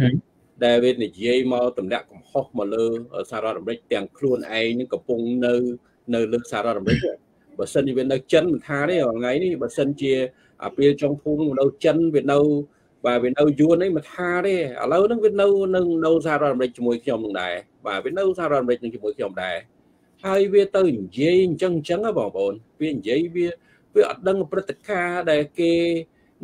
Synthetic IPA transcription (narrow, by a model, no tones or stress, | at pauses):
ɗaɛlʋiənijiəjmaɔt̪umnɛ̆əʔkɑmhohmaləːəsahaːɾoət̪̚ʔamrɨc̚t̪ɛ̆əŋkʰluənʔaɛŋnɨŋkɑmpʊŋnɨw | nɨwləːsahaɾŏət̪̚ʔamrɨc̚nɨə | ɓaːsənt͡ɕiəʋiənɨwt͡ɕənmɨnt̪ʰaːɾeːʔɔŋajnihɓaːsənt͡ɕiə | ʔa̰piəlt͡ɕoŋpʰuːmnɨŋʋiəʔnəwt͡ɕənʋiənɨw | ɓaːʋiənɨwjuənʔəjmɨnt̪ʰaːɾeːʔə̰ːləwnɨŋʋiənɨwnɨwŋnɨws̬ahaːɾɔət̪ʔamrɨc̚t͡ɕiəmuəjkʰɲomnɨŋɗa̰ɛ | ɓa̰ːʋiənɨwsahaːɾoɔət̪̚ʔamrɨc̚nɨŋt͡ɕiəmuəjkʰɲomɗaɛ | haəjʋiət̪ɨwɲjiəjɲt͡ɕəŋɲt͡ɕəŋəjɓɑ̰ːŋp̆ʰʔoːnʋiəɲjiəjʋiə | ʋiəʔɑ̰t̪̚ɗəŋʔprɨt̪ːekaːɗaɛlkeː